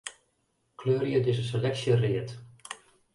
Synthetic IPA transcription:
kʰløːɾjədɪsəselɛksjəriət

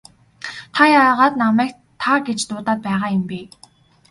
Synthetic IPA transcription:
t̪ʰajaːʁaːt̪namæːk | t̪ʰaɡet͡ɕt̪ʊːt̪aːt̪̚pæːʁaːjʊmpeː

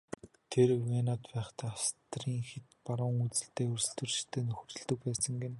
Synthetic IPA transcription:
t̪ʰerwenaːt̪pæːχt̪ʰæːast̪riːŋxet̪paɾʊːŋut͡sɘ̆ɬt̪eːɵrs̆ɮt̪ɵ̆rʃɪ̥t̪ʰːeːnɵxɵ̆rɵ̆ɮt̪ɵ̆k̚pæːsə̆ŋɡen

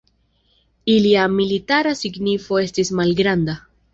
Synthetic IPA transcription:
iliamilitaɾasiɡnifo̞e̞stismalɡɾand̪a

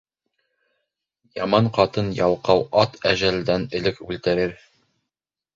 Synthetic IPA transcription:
jɑmɑɴqɑt̪ɤnjɑlˠqɑwʔɑt̪ʰæʑæld̪ænɘ̆lɘkʉlt̪ɘ̆ɾɘɾ

